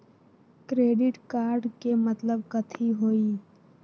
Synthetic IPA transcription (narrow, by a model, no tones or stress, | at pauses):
kɾeːɖɪʈkaːɾɖkemət̪ləbkət̪ʰiɦoːiː